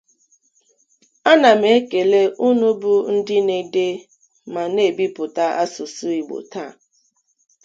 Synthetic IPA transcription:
a˦na˨m̩e˨˦ke˨le˦ʔu˦nu˦bʊ˦n̩˦dɪ˦ne˨de˦ | ma˨ne˦˨bi˦pʊ˨ta˦ʔa˦sʊ˨su˦i˨ɡ͡bo̰˨ta˦˨

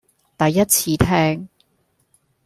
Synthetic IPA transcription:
t̪ɐ˨jːɐ˥t̚t͡sʰiː˨˧t̪ʰɛː˥ŋ

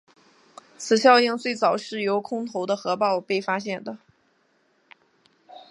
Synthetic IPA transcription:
t͡sʰɹ̩˨˩ɕjɑ˥˧ʊi˥˧ŋt͡swe˥˩ɪt͡sɑ˨˩ʊʂɻ̩˥˩jo˧˥ʊkʰʊ˥ŋt̪ʰo˧˥ʊd̪ə˧xɤ˧˥pɑ˥˧ʊpe˥˩ɪfa˥ɕjɛ˥˩nd̪ə˩

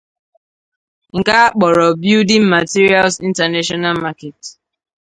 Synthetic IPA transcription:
ŋ̩˨ka˦k͡pɔ˨ɾɔ˨bi˦u˦di˦m̩˦ma˨ti˦ɾi˦a˦lsi˦n̩˦ta˨na˦ʃɔ˦na˦lma˦ke˨t

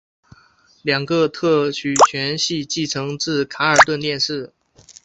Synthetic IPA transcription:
ljɑ˨˩ŋɡə˧t̪ʰɤ˥˩t͡ɕʰy˨˩t͡ɕʰɥɛ˧˥nɕi˥˧t͡ɕi˥˩ʈ͡ʂʰɤ˧˥ŋt͡sɹ̩˥˩kʰa˧˥ə˞˨˩t̪wə˥˧nt̪jɛ˥˧nʂɻ̩˥˩

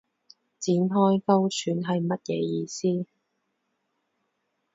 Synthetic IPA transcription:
t͡siː˨˥nɦɔː˥jkɐ˥wt͡ʃʰyː˨˥nɦɐ˨jmɐ˥t̚jɛ̰ː˨˧˦jiː˧siː˥

